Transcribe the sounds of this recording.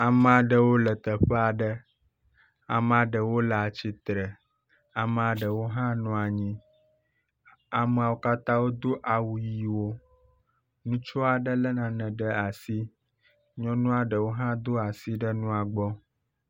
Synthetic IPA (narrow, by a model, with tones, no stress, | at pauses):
a˨mɛ̃˨a˨ɖə˨wo˦lə˨t̪ə˨ɸɛ˦a˨ɖə˦ | a˨m̃˨a˨ɖə˨wo˦lɛ˨a˨t͡ɕi˦t̪ɾə˨ | a˨mɛ̃˨a˨ɖə˨wo˦ɦã˦nũ˦a˨ɲĩ˦ | a˨mɛ̃˨a˨wo˦ka˦t̪ã˦wo˦d̪o˦ʔa˨wu˨ji˨wo˦ | nũ˦t͡ʃɔ˦a˨ɖə˦lə˦nã˨nɛ̃˨ɖə˦a˨si˦ | ɲɔ̃˦nũ˦a˨ɖə˨wo˦ɦã˦d̪o˦a˨si˦ɖə˦nũ˦a˨ɡ͡bɔ˦